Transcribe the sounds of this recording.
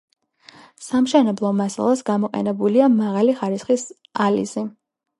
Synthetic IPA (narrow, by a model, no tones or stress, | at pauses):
samʃɛnɛblˠɔmasa̰lˠasɡamɔqʼɛ̰nɛbuliamaʁaliχaɾisχis | alḭzi